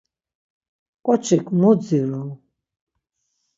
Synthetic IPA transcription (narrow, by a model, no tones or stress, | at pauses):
kʼɔt͡ʃʰikʰmud͡ziɾul